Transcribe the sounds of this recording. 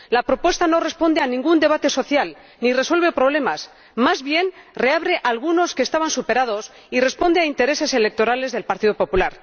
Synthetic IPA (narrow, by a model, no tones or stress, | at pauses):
lapɾo̞pwe̞st̪ano̞re̞spo̞nd̪e̞anĩŋɡund̪e̞β̞at̪e̞so̞θjal | nire̞swe̞lβe̞pɾo̞β̞le̞mas | mazβje̞nre̞aβɾe̞ʔalɣ̞uno̞skeːst̪aβansupe̞ɾað̞o̞s | ire̞spo̞nd̪eaint̪e̞ɾe̞se̞se̞lek̚t̪o̞ɾale̞zðe̞lpaɾt̪iðo̞po̞pulaɾ